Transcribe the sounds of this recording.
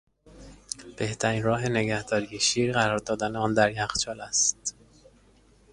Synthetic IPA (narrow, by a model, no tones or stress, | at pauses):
b̥e̞ht̪ʰæɾiːnɾɒːɦe̞ne̞ɡæhd̪ɒːɾijeʃiːɾɣæɾɒːɾd̪ɒːd̪æneɒːnd̪æɾjæxt͡ʃʰɒːlæst̪